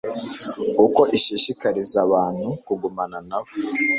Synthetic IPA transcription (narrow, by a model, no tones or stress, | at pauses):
uko̞ʔiʃiʃikaɾizaβaːn̥hukuɡumananaβo